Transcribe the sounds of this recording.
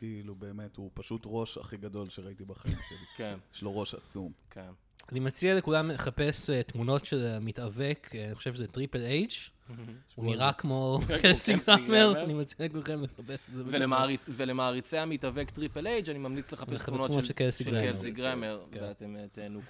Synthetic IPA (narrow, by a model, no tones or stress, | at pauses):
kiiːlube̞ːme̞tupaʃutʁo̞ʃa̰χiɡado̞lʃeʁaitibaχaimʃelikenjʃloʁo̞ʃat͡sumkʰen | animat͡siale̞kulameχapeset̪muno̞tʃelmit̪avekaniχoʃevʃezet̪ʁipelejd͡ʒ | uniʁakmo̞kelsiɡemeʁnimat͡sialekulχemleχapesezeveemaʁivelemaːʁit͡seamitavekt̪ʁipelejd͡ʒanimamnit͡sleχapeeantmunot͡ʃʃekelsiɡʁeeesiɡʁemeʁveatemtenu